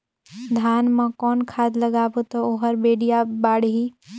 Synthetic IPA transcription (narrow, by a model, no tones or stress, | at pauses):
d̪ʱaːnmə̃kɔːnkʰaːd̪ləɡaːbot̪ooɦəɾbeːɽijabaːɽɦi